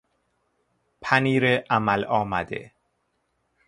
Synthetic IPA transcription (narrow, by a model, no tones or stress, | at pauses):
pʰæniːɾeʔæmælɒːmæd̪ḛ